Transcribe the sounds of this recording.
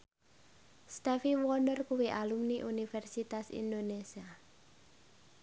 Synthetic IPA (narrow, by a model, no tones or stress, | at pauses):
st̪ɛfiwɔnɔrkuwiʔalumniʔunifɛrsit̪asḭnd̪onesia